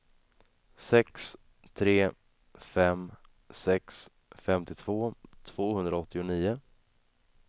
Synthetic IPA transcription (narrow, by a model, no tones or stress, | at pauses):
sɛks | t̪ʰɾeː | fɛm | sɛks | fɛmt̪ɪt̪ʰv̥oːt̪ʰv̥oːhɵnd̪ɾaɔt̪ːɪʊniːʊ